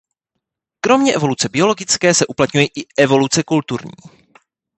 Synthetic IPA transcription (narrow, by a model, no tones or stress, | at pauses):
kɾo̞mɲɛʔɛvo̞lut͡sɛbɪo̞lo̞ɡɪt͡skɛːsɛʔuplat̪ɲujɛʔɪʔɛvo̞lut͡sɛkult̪uɾɲḭː